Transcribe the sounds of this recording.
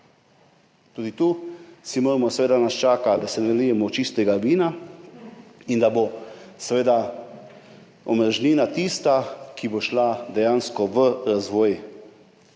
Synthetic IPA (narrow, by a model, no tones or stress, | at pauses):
t̪uːd̪it̪uːsimoːɾmɔsʋeːd̪anast͡ʃaːkad̪asɛnɛlijɛmɔt͡ʃist̪ɛɡaʋiːna | ind̪abosʋeːd̪a | ɔmɾʒniːnat̪ist̪akiboʃlad̪ɛjaːnskɔʋəɾazʋɔːj